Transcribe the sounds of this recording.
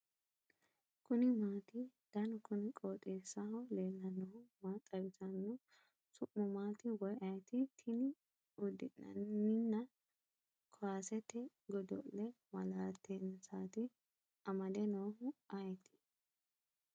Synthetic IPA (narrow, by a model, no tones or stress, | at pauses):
kʊnɪmaːt̪ɪd̪̥ɐnkʊnɪkʼoːt̪ʼeːsːɐhɔleːnːɐnɔhʊmaːt̪ʼːɐbɪtɐnːɔ | sʊʔːʊmaːt̪ɪwɔjʔɐjt̪ɪt̪ʰɪnɪ | ʊd̪ɪ̰nːɐ̰nːɪnːɐ | kʰɔwaːsɛt̪ːɛ | ɡɔd̪ɔ̰lːɛ | mɐlaːt̪ʰːensaːt̪ɪ | ɐmɐd̪ɛnoːhʊɐjt̪ɪ̥